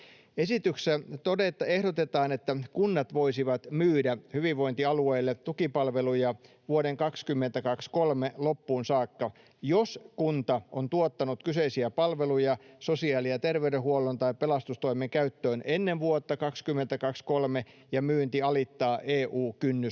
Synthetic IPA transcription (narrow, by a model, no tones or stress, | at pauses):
esit̪yksæt̪odet̪ːɑehdot̪et̪ɑːnet̪ːækunːɑt̪ʋoisiʋɑt̪myːdæhyʋiʋʋo̞int̪iɑlueːlːet̪ukipɑlʋelujɑ | ʋuoɾeŋkɑkskymːent̪ækɑkskolmelopːuːnsɑːkːɑ | joskunt̪ɑʔont̪uot̪ːɑnut̪kyseisiæpɑlʋelujɑsosiɑːliɑt̪erʋeyɾehuolːont̪ɑippelɑst̪ust̪o̞imeŋkæyt̪ːøːnenːenʋuot̪ːɑkɑkskymːent̪ækɑkskolme | jɑmyːnt̪iɑlit̪ːɑːʔeːʔuːkynːy